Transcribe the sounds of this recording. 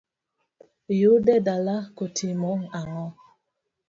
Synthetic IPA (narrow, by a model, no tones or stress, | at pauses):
judɛdalakotʰimɔŋaŋɔ